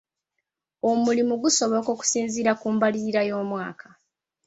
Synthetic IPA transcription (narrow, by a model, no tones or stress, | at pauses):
o̞mulimuɡuso̞βo̞ko̞ːku̥siːnziɾakuːmbaliiɾajo̞ːmwa̰ːkʰḁ